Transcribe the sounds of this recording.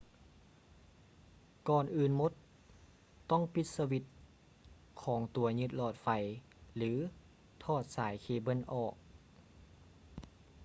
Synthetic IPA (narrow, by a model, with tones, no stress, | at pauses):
kɔː˨˩nʔɯː˨˩nmo˧˦t̪ː | ɔ˥˩˨ŋpi˧t̪̚sa˧wi˧t̪̚ | kʰɔː˩˦ŋt̪u˨˩˦ɐɲɯ˧t̪̚lɔː˧˩t̪̚fa˧˩j | lɯː˩˦ | t̪ʰɔː˧˩t̪̚saː˨˩˦jkʰeː˧˩bɤ˧˥˨nʔɔː˨˩k̚